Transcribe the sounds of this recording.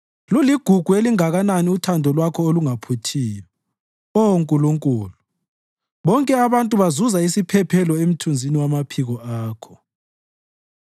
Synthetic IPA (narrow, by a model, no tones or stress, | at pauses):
luliɡ̥ʱuɡ̥ʱueliŋaɣananiutʰandʱɔlwakʰɔoluŋapʰutʰiːjɔ | oŋkʼuluŋkʼuːlu | βɔŋkʼɛaβantʼuβazuzaisipʰɛpʰɛlɔem̩tʰund͡zʱiniwamapʰiɣɔʔaːkʰɔ̥